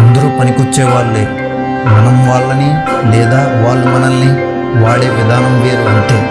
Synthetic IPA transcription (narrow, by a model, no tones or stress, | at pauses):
ɐnd̪ɐɾupɐnikut͡ʃːɛːʋaːɾuleː | mɐnɐmʋaːɭːɐni | lɛːd̪aːʋaːɭːumɐnɐlni | ʋaːɭeːʋid̪ʱaːnɐmʋeːɐnʈ̪eː